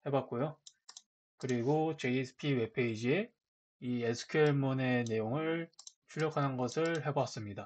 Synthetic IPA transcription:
he̞bat̚k͈ojo | kɯɾiɡot͡ɕe̞sʰɯ̥pʰiwe̞pʰe̞id͡ʑie̞ | iesʰɯ̥kʰeɭmune̞ne̞joŋɯɭt͡ɕʰuʎjʌkʰanɯnɡʌsʰɯɭɦe̞bas͈ɯmɲida

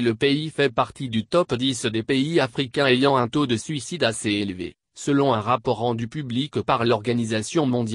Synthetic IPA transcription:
ləpeifɛpaʁt̪id̪yt̪ɔpd̪isəd̪epeiafχikʲɛ̃ejɑ̃ɛ̃t̪od̪əsɥisid̪aseelvḛ | səlɔ̃ɛ̃ʁapɔʁːɑ̃d̪ypyblikpaʁlɔʁɡanizasjɔ̃mɔ̃d̪j

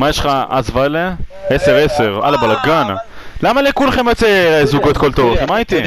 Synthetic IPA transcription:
majeʃχaa̰zvale | eseʁeseʁa̰labalaɡana̰ | lamalekulaχemat͡seezuɡot̪kolt̪ovemait̪i

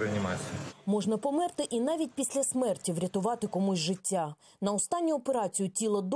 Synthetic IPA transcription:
ɾeɐnʲimɑt͡sʲijmɔʒnɐpɔmɪrt̪ɪʔinɑʋʲit̚ʲpʲisʲlʲɐsmɛrtʲiwɾʲɐt̪ʊʋɑt̪ɪkɔmusʲʒɪtʲːa | nɐɔst̪ɑnʲːʊɔpeɾɑt͡sʲijʊtʲilˠɔd̪

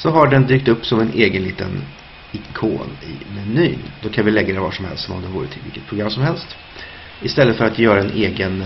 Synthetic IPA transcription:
sɔɦaɖɛnd̪yːkt̪ɵpːsɔmɛnʔeːɡənliːt̪ə̰n | ɪkʰo̰ːnɪ̰mɛny̰ːnd̪ɔkʰanvɪlɛɡːad̪ɛvɑ̰ːʂɔmhɛlst̪ɔmɔ̰md̪ɛnvoːɾət̪ʰɪlvɪ̰ːkːət̪pʰɾʊɡɾamːsɔmhɛlst̪ | ɪst̪ɛlːət̪fœɾat̪jœːɾaɛnʔeːɡən

